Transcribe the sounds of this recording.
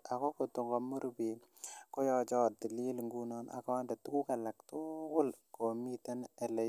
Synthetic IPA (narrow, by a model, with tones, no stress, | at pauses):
a˨ko˦ko˨to˨ŋɡɔ˨mu˦ɾbi˨ | ko˦jɔ˦t͡ʃɔ˦t̚ti˨li˦lŋɡunɔ˦nʔa̰˨kɔ˦nda˨tu˦ku˦ka˨la˨ktʊkʊ˦lko˨mi˦ta˦nɛ˨lɛ˦